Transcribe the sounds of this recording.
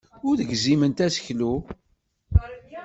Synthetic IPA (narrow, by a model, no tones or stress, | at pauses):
ʊɾðəɡzimənt̪æsə̥çlu